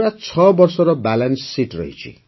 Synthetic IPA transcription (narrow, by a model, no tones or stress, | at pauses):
ɾat͡sʰʌbʌrsʌɾʌbalansːiʈrʌ̰ɦḭt͡sʰḭ